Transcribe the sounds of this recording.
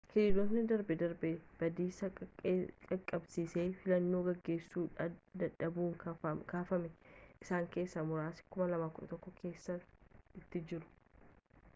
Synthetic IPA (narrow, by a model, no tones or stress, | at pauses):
hɪɪd̪ot̪nɪd̪ɐɾbɛd̪ɐɾbɛb̥ɐd̪iːsɐ | kʼɐkʼːɐbsiːseːfɪlɐnːo̞ːɡɐɡːe̞ːsːuːᶑɐd̪ɐᶑɐbuːŋkaːfɐmɛʔɪsaːŋke̞ːsːɐmʊɾaːsɪ̥kʊmɐlɐmaːkʊᶑɐt̪ɔkːɔkʰe̞ːsːɐɪt̪ːɪd͡ʒɪɾʊ̥